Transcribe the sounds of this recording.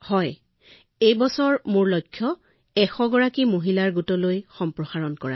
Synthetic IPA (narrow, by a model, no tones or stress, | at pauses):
hɔj | ejbɔsɔɹmʊɹlojkʰːjɔ | ɛxɔɡɔɹakimoɦilaɹɡutɔlojxɔmpɹɔxaɹɔnkɔɹa̰